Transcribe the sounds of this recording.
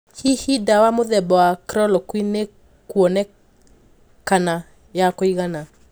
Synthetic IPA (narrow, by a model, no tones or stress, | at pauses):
hihidawamoðɛbɔwakɾɔlɔkwine | kwɔnɛ | kana | jakoiɣana